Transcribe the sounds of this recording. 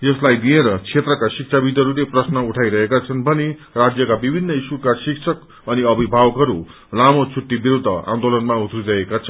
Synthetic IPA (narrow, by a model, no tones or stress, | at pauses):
jʌslajd̪ieɾʌt͡sʰet̪rʌkasik̚t͡sʰabid̪ʱʌɾuleprʌsnʌuʈʰajɾʌɦekat͡sʰʌnbʱʌnerad͡zjʌkabibʱinːʌisukasiksʰʌk | ʌniʌbʱibʱawʌkɦʌɾu | lamot͡sʰuʈːibiɾud̪ʱːʌ̰ã̰nd̪olʌnmaut̪ʰriɾʌekat͡sʰʌn